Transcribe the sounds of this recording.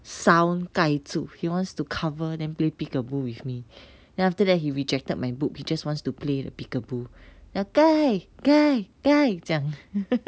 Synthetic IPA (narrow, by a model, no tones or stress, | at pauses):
sãw̃nkajtʰuhiwɔ̃ntstukʰavə̃dɛ̃nplepikəbuwifmi | dɛ̃naftədɛt̚hiɹid͡ʒɛk̚təd̚majbukhid͡ʒaswɔ̃nstupledə̰pikəbunaɡ̥ajɡ̥ajɡ̥ajd͡ʒãŋ